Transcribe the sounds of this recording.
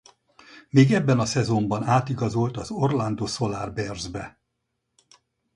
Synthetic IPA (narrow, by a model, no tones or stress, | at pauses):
meːɡɛbːɛnɒsɛzo̞mbɒnaːt̪iɡɒzolt̪ɒzorland̪oso̞laːrbɛrzbɛ